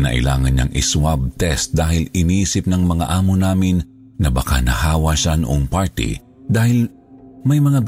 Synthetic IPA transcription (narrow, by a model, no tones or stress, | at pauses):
nɐ̰ʔɪ̰la̰ːŋɐnɲa̰ŋʔɪ̰swab̚t̪ɛst̪̚d̪aːhɪlɪniːsɪp̚nɐŋmɐŋaʔaːmonaːmɪnː | ɐbɐka̰nɐhaːwɐʃanʊʔoŋpaɹt̪ɪ̰ | d̪aːhɪl | mɐjmɐŋab